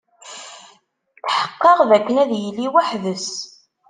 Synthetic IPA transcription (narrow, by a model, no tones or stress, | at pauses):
θħə̥qːɑʁðækːənæðjlːiwaħðəs